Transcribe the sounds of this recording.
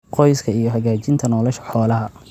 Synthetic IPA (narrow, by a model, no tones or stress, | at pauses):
qʰɔjskʰɐijɔhɐɣaːt͡ʃɪnt̪ʰɐnɔːlɔʃɐ̥ħɔːlɐɦɐ